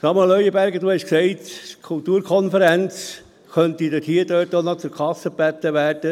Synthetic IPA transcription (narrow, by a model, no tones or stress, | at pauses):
sɑməlœʏəbæɾɡəduːhɛʃksɛɪtkʰult̪uːɾkʰɔnfəɾænt͡s | kœnt̪idəthiːədøːt̚ːonɔt͡sʊɾkʰɑsəbæt̪ːəʋæːrd̥ə